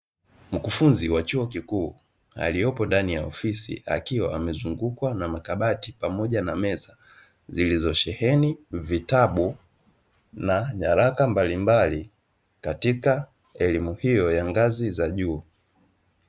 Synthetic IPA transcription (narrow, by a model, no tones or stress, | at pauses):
m̩kufunziwat͡ʃuɔkikuː | a̰lijɔpɔndanijaɔfisḭa̰kiwaamɛzuŋɡukwanamakaɓatipamɔʄanamɛsa | zilizɔʃɛhɛnivitaɓu | naɲaɾakambalimbali | katika | ɛlimuhijɔjaŋɡazizaʄuː